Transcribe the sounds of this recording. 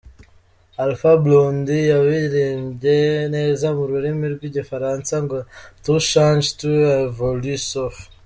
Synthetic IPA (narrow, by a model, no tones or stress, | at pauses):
alfablondijaβiɾeːmbɟe̞ne̞ːzamuɾuɾimiɾɡwiɟifaɾansaŋɡotuʃand͡ʒtuevolisof